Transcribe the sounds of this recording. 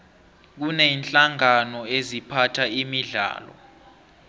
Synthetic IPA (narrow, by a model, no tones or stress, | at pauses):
k̬uneinɬʼaŋanɔezipʰatʰaimiɮa̰ːlɔ̰